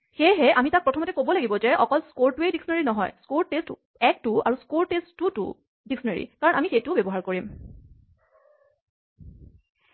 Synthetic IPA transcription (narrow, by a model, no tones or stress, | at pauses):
xejɦɛʔamitak̚pɹɔtʰɔmɔtɛkobɔlaɡibɔzɛʔɔkɔlskoɹtuediksɔnaɹinɔɦɔ̰jskoɹtest | ɛk̚tua̰ɹuskoɹtesttːutṵ | diksɔnaɹḭkaɹɔnamixejtʊbɛbɔɦaɹkoɹim